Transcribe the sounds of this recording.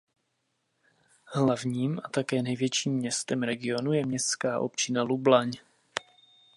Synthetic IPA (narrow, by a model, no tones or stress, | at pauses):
hlavɲiːmʔat̪akɛːnɛjvjɛt͡ʃiːmːɲɛst̪ɛmɾɛɡɪo̞nujɛmɲɛst̪skaːʔo̞̰pt͡ʃɪnalublaɲ